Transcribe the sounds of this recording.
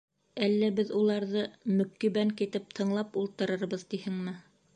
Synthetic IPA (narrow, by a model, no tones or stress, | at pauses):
ælːæbɘðulˠɑɾðɤmɵ̆kːiβæŋkit̪ɘp̚t̪ʰɤ̆ɴlˠɑpulˠt̪ɤ̆ɾɤɾbɤðt̪ihɘŋmɘ